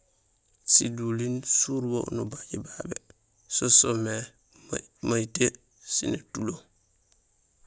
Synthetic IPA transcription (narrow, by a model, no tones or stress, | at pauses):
sidulinsuɾwo̰nubaɟibabḛ | sosome | majte | sḭnetulo